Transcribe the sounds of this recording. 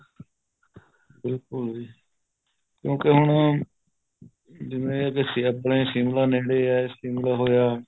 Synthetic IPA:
bɪlkʊli | kjõːkeɦʊɳ | d͡ʒɪʋẽːəɡesiːəpɳeːsiːmlaːneːɽeːaːsiːmlaːɦoːjaː

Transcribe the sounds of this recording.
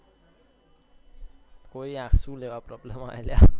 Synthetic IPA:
koiãkʰsulewaprɔblema̰jlja

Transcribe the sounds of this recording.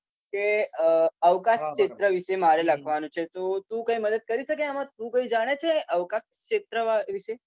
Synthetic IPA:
keəəʋkasɕet̪ɾəʋisemaɾelaɡʋanut͡ɕʰet̪ot̪ũːkaɦiːməd̪ət̪̚kəɾisəkeamat̪ũːkaɦiːd͡zaɽ̃et͡sʰeʔəʋkaskɕet̪ɾəʋaʋise

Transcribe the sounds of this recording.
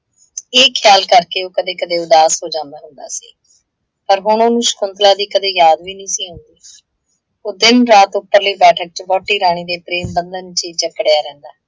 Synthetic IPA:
eːkʰɪjaːlkəɾkeːoːkəd̪eːkəd̪eːʊd̪aːsɦoːd͡ʒãːnd̪aːɦʊnd̪a̰ːsḭː | pəɾɦʊɳ̃oːnũːʃə̥kʰʊnt̪laːd̪iːkəd̪eːjaːd̪ʋiːnĩːsiːɦʊ̃nd̪iː | oːd̪ɪnɾaːt̪ʊpːəɾliːbɛːʈʰək̚t͡ʃbɔːʈːiːɾaːɽ̃iːd̪eːpɾeːmbənd̪ənːt͡ʃiːt͡ʃəkːɽejaːɾɛ̃ːnd̪aː

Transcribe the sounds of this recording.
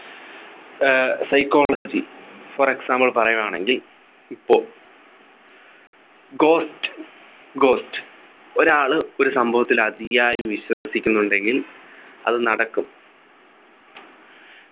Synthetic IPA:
sɐjkːo̞ːɭɐd͡ʑifore̞ksaːmbɐɭpɐrɐjumaːɳe̞̰ŋɡil | ipːo̞ːɭ | ɡo̞ːstɨ̥ | ɡo̞ːstɨ̥ | o̞ɾaːɭɨo̞ɾusɐmbʱɐʋɐt̪ːilɐd̪ijaːjumʋiɕwɐsikʲːunːuɳɖe̞ŋɡilɐ̰ðɨnɐɽɐkːum

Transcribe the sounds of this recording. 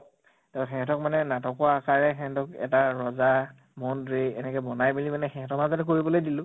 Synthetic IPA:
tɛʊ̃xɛ̃ɛ̃tɔkmanɛnatɔkɔaakaɹɛxɛ̃ɛtɔkɛ̰taɹɔza | mɔndɹiɛnɛkɔbɔnajbilimanɛxɛ̃ɛ̃tɔmazatɛkoɹibɔlojdilʊ̃

